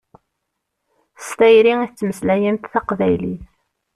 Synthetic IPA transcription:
st̪æjɾiŋiθt͡sːməslæjənt̪θæqvæjliθ

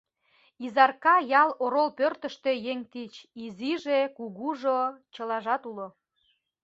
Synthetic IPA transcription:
izɑrkɑjɑloɾolpørt̪ə̆ʃt̪øjeŋt̪it͡ɕiziʒekuɣuʒot͡ɕə̆lɑʒɑt̪ulo

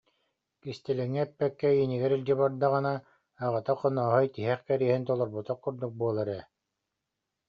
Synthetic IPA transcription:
kist̪ɛlɛŋːɛɛpːɛkːɛiniɡɛɾild͡ʑibaɾd̪aʁɯnaː | ʁɯt̪aqɔnɔːɦɔjt̪iɦɛχkɛɾiɛɦint̪ɔlˠɔɾbut̪aqkuɾd̪uk̚buɔlˠaɾɛː

